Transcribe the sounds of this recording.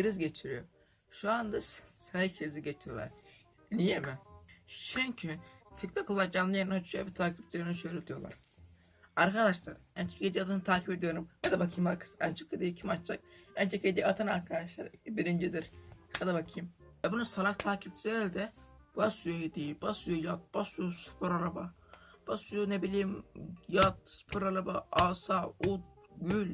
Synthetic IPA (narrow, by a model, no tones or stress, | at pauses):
iɾizɟet͡ʃʰiɾijoɾ | ʃuand̪assancʰiɾiziɟet͡ʃ̪ʰijolˠa̰ɾ | nijemiʃʰyɲʲcʰit̪ʰikt̪ʰakʰolˠːaɾd͡ʒanːˠɯjennat͡ʃʰuavɛt̪ʰaːkʰip̚t͡ʃilenʃøɾet̪ʰijolˠa̰ɾ | aɾkʰad̪aʃlˠa̰ɾɛnt͡ʃʰoked̪iat̪ʰanɯt̪ʰaːcʰiped̪ijo̞ɾumad̪abakʰɯjmakʰɯ̥sɛnt͡ʃʰɯkʰːed̪ijicʰimat͡ʃt͡ʃak̚ɛnt͡ʃʰeked̪ijat̪ʰanaɾkʰad̪aʃlˠa̰ɾbiɾind͡ʒid̪iɾkad̪abakʰijimvɛbunusalˠaxt̪ʰaːcʰip̚t͡ʃild̪ɛvasujohid̪ibasujojat̪̚basujosu̥pʰoɾalˠaba | b̥asujonebilʲiːmjat̪̚sɨ̥pʰuɾalabaaːsaut̪̚ɡylʲ